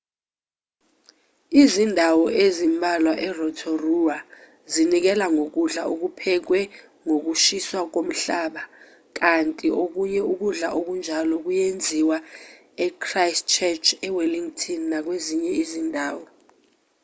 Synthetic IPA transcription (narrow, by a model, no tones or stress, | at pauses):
izindʱawɔʔezimbʱalwaʔɛrɔtʰɔrua | zinik̬ɛlaŋok̬uɮaʔok̬upʰɛk̬wɛ | ŋok̬uʃiswak̬om̩ɬaːɓa | k̬antʼiʔok̬uɲɛuk̬uɮaʔok̬und͡ʒʱalɔk̬ujend͡zʱiwa | ɛkʰrajst͡ʃʰɛt͡ʃʰɛweliŋtʰʼinnak̬weziɲɛizindʱaːwɔ